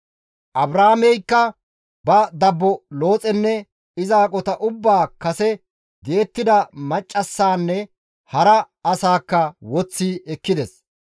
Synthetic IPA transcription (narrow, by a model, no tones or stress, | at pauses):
ʔɐbɾaːmɛjkːɐ | bɐd̪ɐbːɔlo̞ːt͡sʼɛnːɛ | ɪzaːkʼɔt̪ɐʔʊbːaːkɐsɛ | d̪e̞ːt̪ːɪd̪ɐmɐt͡ʃʼːɐsːaːnːɛ | hɐɾɐ | ɐsaːkːɐwɔt͡sːiːɛkːɪd̪ɛs